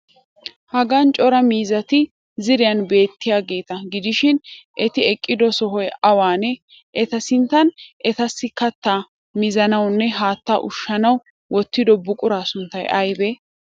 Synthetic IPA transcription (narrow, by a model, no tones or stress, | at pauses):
hɐɡaːnt͡ʃʼɔɾɐmiːzɐt̪ɪ | zɪɾɪjɐnbe̞ːt̪ːɪjaːɡe̞ːt̪ɐɡɪd̪ɪʃɪnʔɛt̪ɪɛkʼːɪd̪ɔsɔɦɔjɐwaːnɛ | ʔɛt̪ɐsɪnt̪ːɐnʔɛt̪ɐsːɪkɐt̪ːaː | mɪzɐnɐwnːɛɦaːt̪ːa̰ːʔʊʃːɐnɐw | wʔɔt̪ːɪd̪ɔbʊkʼʊɾaːsʊnt̪ːɐjɐjbeː